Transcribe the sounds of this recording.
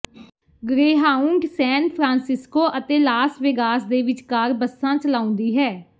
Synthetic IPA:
ɡɾeːɦaːʊ̃ŋɡsɛːnpʰɾãːnsɪskoːʔət̪eːlaːsʋɪːɡaːsd̪eːʋɪt͡ʃkaːɾbəsːãːt͡ʃəlaːʊ̃nd̪iːɦɛː

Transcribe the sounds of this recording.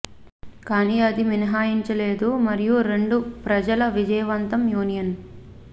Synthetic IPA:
kaːniɐd̪iminɐɦaːjiɲt͡ʃɐle̞ːd̪umɐɾijuɾe̞ɳɖupɾɐd͡ʒɐlɐʋid͡ʒɐjɐʋɐnt̪ɐmjuːnijɐn

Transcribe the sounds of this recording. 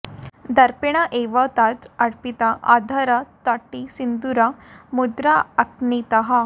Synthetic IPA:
d̪ɐɾpiɽ̃aʔeʋɐt̪at̪ɐɽpit̪aʔa̰d̪ʱɐɾɐt̪aʈːisind̪uɾamud̪ɾaɐknit̪ɐɦɐ

